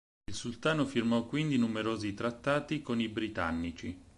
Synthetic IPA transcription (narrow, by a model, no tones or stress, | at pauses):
ilsult̪aːnofirmɔkːwind̪inumeɾoːzit̪ɾat̪ːaːt̪ikonibɾit̪a̰nːit͡ʃi